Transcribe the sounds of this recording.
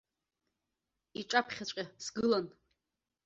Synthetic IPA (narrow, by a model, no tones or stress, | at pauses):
iʈ͡ʂʼapʰχʲat͡ɕʷʲʼasɡɨlan